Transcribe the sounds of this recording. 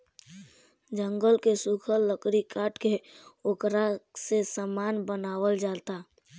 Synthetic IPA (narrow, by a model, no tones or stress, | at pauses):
d͡ʒəŋɡəlkesukʰəlːəkɾikaːʈkeoːkɾasesəmaːnbənaːwəld͡ʒat̪a